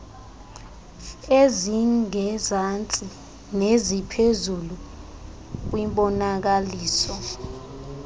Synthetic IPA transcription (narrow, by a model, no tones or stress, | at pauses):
eziŋɛzant͡sʼi | nezipʰezulu | k̬wimɓɔnak̬aliːsɔ